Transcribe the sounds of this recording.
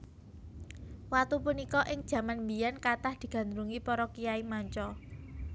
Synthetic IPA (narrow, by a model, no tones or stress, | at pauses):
wat̪upunikɔʔɪŋd̥ʒ̥a̤manmbijankat̪ahd̪̥i̤ɡ̥ä̤nd̪ɾuŋipɔɾɔkijaimaɲt͡ʃɔ